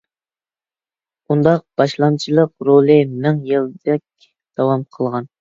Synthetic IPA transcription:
und̪ɑq̚b̥ɑʃlˠɑnt͡ʃʰilˠəqɾolˠɨmɪŋjɨlˠd̪ɛk̚ʲ | d̪̥ɑwɑmqʰəlˠʁɑn

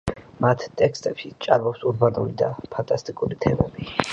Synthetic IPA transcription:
mat̪ʰt̪ʼɛkst̪ʼɛpʃit͡ʃʼaɾmɔpsuɾbanulid̪apʰant̪ʼast̪ʼikʼuɾit̪ʰɛmɛ̰bi

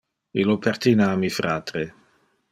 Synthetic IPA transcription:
ilopʰɛɾt̪inaːmifɾaːt̪ɾe

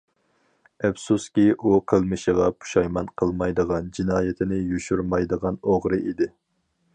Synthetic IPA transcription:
ɛfsuskʲiʔuqʰəlˠmɨʃəʁɑpʰu̥ʃɑjmɑnqʰəlˠmɑjd̪əʁɑnd͡ʒinɑːjɪt̪ʰɪnɪjuʃuɾmɑjd̪əʁɑnoʁɾɨʔid̪ɪ

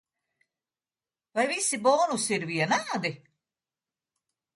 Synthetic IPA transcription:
vajvisibɔːnusiɾviɛnaːd̪i

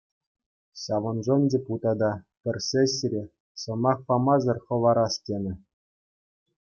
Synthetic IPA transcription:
ɕɑʋɤ̆nʐɤnʲdʲeput̪ɑd̪ɑpʲɘ̆rʲsʲeɕʲɘɾʲe | sɤ̆mɑχpɑmɑzɤ̆rχɤ̆ʋɑɾɑstʲenʲɘ̆

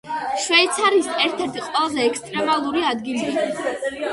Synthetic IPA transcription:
ʃwɛit̪sʰaɾisɛɾt̪ʰɛɾt̪ʰiqʼwɛlˠazɛːkst̪ʼɾɛmalˠuɾiad̪ɡili

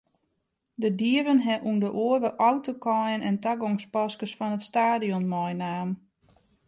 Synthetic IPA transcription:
dədiəvənɦɛʔundəʔoəvəʔɔwtokɔjənɛntaɡɔŋspɔskəsfɔnətstaːdiɔnmɔjnaːm

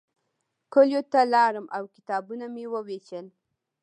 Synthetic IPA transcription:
koljot̪alɑɾəmʔawkɪ̥t̪ɑbunamewəwet͡ʃəl

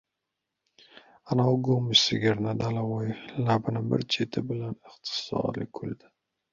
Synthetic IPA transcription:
anaɡomɪsɪɡʲɪɾnad̪alawɒjlabɪnɪbɪ̰ɾt͡ʃʰet̪ʰɪbɪlanɪχt̪ʰɪ̥sɒ̰ɾlɪ̰kʰʊld̪ɪ̥

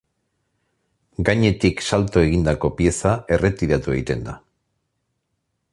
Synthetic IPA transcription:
ɡaɲe̞t̪iksalt̪o̞e̞ɣ̞ind̪ako̞pie̞sae̞re̞t̪iɾat̪ue̞ɣit̪e̞nd̪a

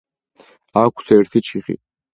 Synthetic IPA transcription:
akʷʰsɛɾt̪ʰit͡ʃʰiχḭ

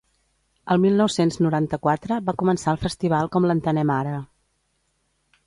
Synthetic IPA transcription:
əlˠmilˠnɔwsenznuɾant̪əkwat̪ɾəβakumənsaəlˠfəst̪iβ̞alˠkɔmlənt̪ənɛmaɾə

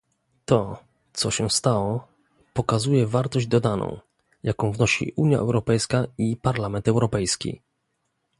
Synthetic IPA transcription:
t̪ɔ | t̪sɔɕɛst̪awɔ | pɔkazujɛvaɾt̪ɔʑd͡ʑd̪ɔd̪anʔɔ̰̃w̃ | jakɔ̃w̃vnɔɕḭʔuɲja̰ʔɛ̰wɾɔpɛjskaipaɾlamɛnt̪ɛwɾɔpɛjskʲḭ

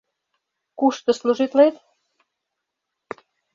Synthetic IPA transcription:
kuʃt̪ə̆sluʒit̪let̪

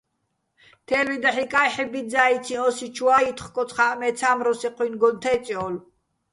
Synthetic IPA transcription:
t̪ʰɛlid̪aħikʼajħɛbizait̪t͡s̪ʰiɔsit͡ʃʰuait̪ʰχkʼɔχaʔmɛt̪t͡sʰamɾɔsiqʰwinɡɔnt̪ʰɛt͡sʼiɔl

